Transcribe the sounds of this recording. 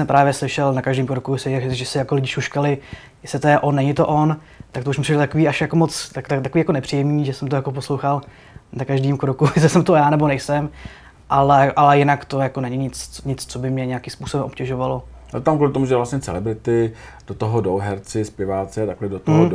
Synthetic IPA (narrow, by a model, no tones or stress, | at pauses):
sɛmpɾaːvjɛslɪʃɛlnakaʒdiːmkɾokujɛsɪʒɛsɪjakolɪɟɪʃuʃkalɪ | jɛslɪt̪ojɛʔo̞nːɛɲɪt̪oʔo̞n | t̪akt̪ouʃmɪpsiʃɛlt̪akoviːaʃjakomot͡st̪akt̪at̪akoviːjakonɛpr̥ijɛmɲiːʒɛsɛmt̪ojako̞p̬oslowxal | nakaʒdiːmkɾokujɛs̬lɪsɛmt̪ojaːnɛbonɛjsɛm | ʔalɛʔalɛjɪnakt̪ojakonɛɲɪɲɪt͡sɲɪt͡st͡sobɪmɲɛɲɛjakɪmspuːsobɛmʔopcɛʒovalo̞ | a̰t̪amkuːlɪt̪omuʒɛvlasɲɛt͡sɛ̰lɛbɾɪt̪ɪ | d̥ot̪oɦodowɦɛɾt͡sɪspɪvaːt͡sɛt̪aklɛdot̪ɦo